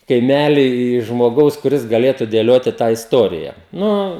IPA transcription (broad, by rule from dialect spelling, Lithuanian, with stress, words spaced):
kɐɪˈmʲæːlʲiː ʒmoːˈɡɐʊs kʊˈrʲɪs ɡɐˈlʲeːtʊ dʲeːˈlʲoːtʲɪ tɑː ɪsˈtoːrʲɪjɛ ˈnʊ